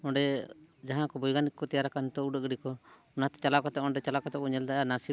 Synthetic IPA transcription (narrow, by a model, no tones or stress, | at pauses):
ɔ̃ɳɖɛd͡ʒaɦãkɔbɔjɡanikkːɔt̪ɛjaɾakant̪ɔuɖəʔɡɽikɔ | ɔnat̪ɛ̥t͡ʃalakɔt̪ɛʔɔ̃ɳɖɛt͡ʃalakɔt̪ɛʔɔɲɛld̪aʔanasi